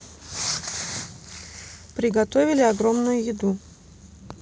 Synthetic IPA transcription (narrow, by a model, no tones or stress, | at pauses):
pɾʲɪɡɐt̪ovʲɪlʲɪɐɡɾo̞mnʊjʊjɪd̪u